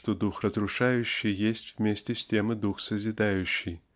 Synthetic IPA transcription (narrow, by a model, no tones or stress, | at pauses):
ʂt̪od̪uxrəzɾʊʂajʊɕːɪjjesʲtʲvmʲesʲtʲɪsʲtʲemɨd̪uxsəzʲɪd̪ajʉɕːɪj